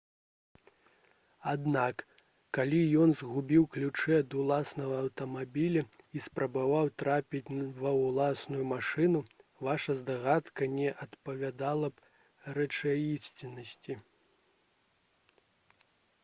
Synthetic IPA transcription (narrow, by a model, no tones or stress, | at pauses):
ad̪nakː | alʲijɔnzɣubʲiwklʲut͡ʂɛɐd̪ulˠasnɐɣɐːwt̪ɐmabʲilʲɐ | ispɾɐbavawt̪ɾapʲit͡sʲvɐwlˠasnujumaʂɨnuvaʂɐzd̪aɣat̪kɐnʲɛʔɐt̪pɐvʲad̪alˠɐp | rɛt͡ʂajisʲt͡sʲinɐsʲt͡sʲi